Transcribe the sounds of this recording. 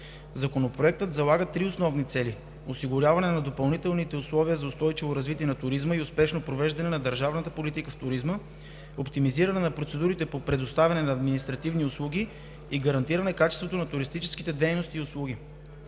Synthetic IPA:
zɐkonopɾoɛk̚t̪ət̪zɐlˠaɡət̪ɾiʊsnɔvnit̪sɛli | ʊsiɡʊɾʲjavɐnɛnɐd̪opɐlˠnit̪ɛlˠnit̪ɛʊslˠɔviəzɐʊst̪ɔjt͡ʃivoɾɐzvit̪iɛnɐt̪ʊɾizməiʊspɛʃnopɾovɛʒd̪ɐnɛnɐd̪əɾʒavnɐt̪əpolit̪ikəft̪ʊɾizmə | opt̪imiziɾɐnɛnɐpɾot̪sɛd̪uɾit̪ɛpopɾɛd̪ʊst̪avʲɐnɛnɐːd̪minist̪ɾɐt̪ivniʊslˠuɡʲi | iɡɐɾɐnt̪iɾɐnɛkat͡ʃɛst̪vot̪onɐt̪ʊɾist̪it͡ʃɛ̥skit̪ɛd̪ɛjnost̪iːʊslˠuɡ̟ʲi

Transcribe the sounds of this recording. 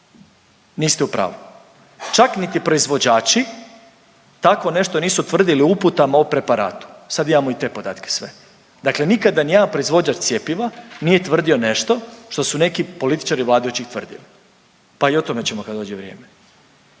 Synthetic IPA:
niːst̪eupɾa̰ːʋo | t͡ʃaknit̪ipɾo̞izʋo̞d͡ʑaːt͡ʃi | t̪akʋo̞ne̞ʃt̪o̞niːsut̪ʋr̩d̪iliuput̪amaopɾe̞paɾa̰ːt̪u̥sad̪imamoit̪e̞ːpo̞d̪a̰ːt̪ke̥sʋe̞ | d̪akle̞nikad̪anijapɾo̞izʋo̞ɲat͡ʃt̪sjepiʋaniːje̞t̪ʋr̩d̪io̞ne̞ʃt̪o̞ʃt̪o̞sune̞kipo̞lit̪i̥t͡ʃaɾiʋlaːd̪aut͡ɕixt̪ʋr̩d̪ḭli | paio̞t̪o̞me̞t͡ɕemokad̪d̪o̞ːd͡ʒeʋɾjḛːme

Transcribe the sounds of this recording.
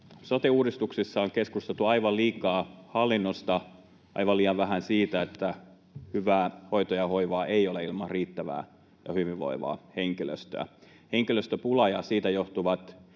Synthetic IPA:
sot̪euːɾdist̪uksisːɑoŋkeskust̪elt̪uɑiʋɑlliːkˑɑːhɑlːinːost̪ɑ | ʔɑ̰ijʋɑliːjɑʋʋæhænsiːt̪æet̪ːæ | hyʋæːhoit̪ojɑhoiʋɑːʔeioleilmɑrriːt̪ːæʋæ̰ː | jɑhyʋiʋʋo̰iʋɑ̰ːheŋkilø̰st̪ø̰æ̰ | heŋkiløst̪øpulɑjɑsiːt̪æjoht̪uʋɑt̪

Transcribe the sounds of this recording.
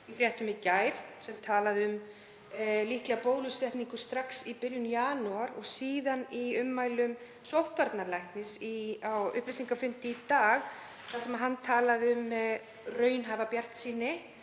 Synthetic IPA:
ifɾjɛht̪ʏmɪcaːjɾ̥sɛmt̪ʰaːlaðʏm | lihklɛapoːwlʏsɛht̪niŋkʏst̪ɾaksipɪɾjʏnjaːnuaɾɔɣsiːðaniʏmːaːjlʏm | sowht̪vaɾt̪naɾlajht̪nɪsiawʏ̰hplisiŋkafʏnt̪ɪt̪aːɣ | θalsɛmaðɦanːt̪ʰaːlaðɪʏm | rœːɥnɦaːvapjar̥t̪siːnːɪ

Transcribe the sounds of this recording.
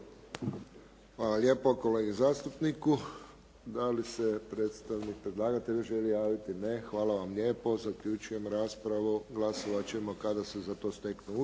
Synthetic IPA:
xʋaːlalʲjeːpoko̞leɡizaːst̪upniku | d̪alisepɾe̞ːt̪st̪aʋnik̚pɾed̪lˠaːɡat̪eʎʒe̞lijaːʋit̪inexʋaːlaʋamʎʲje̞ːpo̞zakʎut͡ʃuje̞mɾaːspɾaʋuɡlasoʋat͡ɕeemo̞kad̪asezat̪o̞ːst̪e̞knu

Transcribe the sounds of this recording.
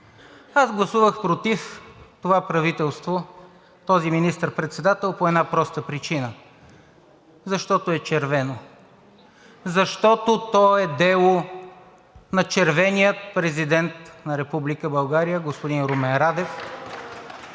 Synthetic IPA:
azɡlˠɐsuvəxpɾot̪ift̪ovapɾɐvit̪ɛlˠst̪vo | t̪ɔziminist̪əɾpɾɛt̪sɛd̪at̪ɛlˠpoɛd̪napɾɔst̪əpɾit͡ʃinə | zɐʃt̪ɔt̪oɛt͡ʃɛɾvɛno | zɐʃt̪ɔt̪ot̪ɔɛd̪ɛlˠo | nɐt͡ʃɛɾvɛnijət̪̚pɾɛzid̪ɛnt̪nɐɾɛpublikəbɐlˠɡaɾijəɡospod̪inɾomɛnɾad̪ɛf

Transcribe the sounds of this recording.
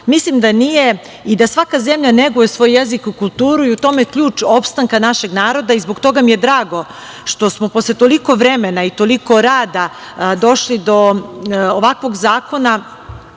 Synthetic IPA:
mislimd̪anije̞ | id̪asʋakaze̞mʎaneɡujesʋojːezikikulˠt̪uːɾuiut̪o̞mekʎuːt͡ʃopst̪aŋkanaʃe̞ɡnaːɾo̞d̪aizbo̞ɡt̪oɡamije̞d̪ɾaːɡo̞ | ʃt̪o̞smopo̞slˠet̪o̞liko̞ʋɾemenait̪o̞liko̞ɾaːd̪a | d̪o̞ʃlid̪o̞ː | ʋakʋo̞ɡzaːko̞na

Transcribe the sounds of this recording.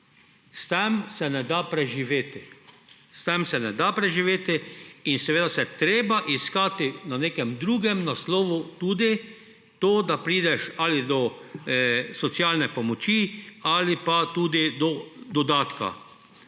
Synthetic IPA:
st̪ɛmsɛnɛd̪apɾɛʒiʋeːt̪ɪ | st̪ɛmsɛnɛd̪apɾɛʒiʋeːt̪ɪinsɛʋeːd̪asɛt̪ɾeːbaʔiskaːt̪ɪnaneːkɛmd̪ɾuːɡɛmnaslɔːʋut̪uːd̪i | t̪oːd̪apɾiːd̪ɛʃalɪd̪ɔ | sɔt̪sjalnɛpɔmɔt͡ʃialɪpat̪uːd̪id̪ɔd̪ɔd̪aːt̪ka̰

